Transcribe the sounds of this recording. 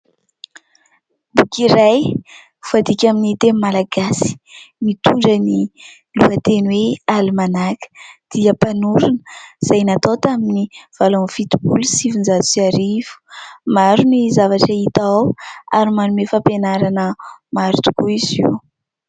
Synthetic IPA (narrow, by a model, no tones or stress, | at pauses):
bukiɾaj | u̥vad̪ikʲaminit̪emmalaɡasi̥mit̪uɳɖ͡ʐəni | luat̪enwealimanakə̥d̪̥iəpanuɾunə̥z̥ajnat̪ot̪aminiv̥alonfit̪ubulusivind͡ʒat̪u̥siaɾivu̥maɾunizavaʈ͡ʂait̪awa̰ɾimanumefapenaɾanəmaɾt̪u̥kuiziw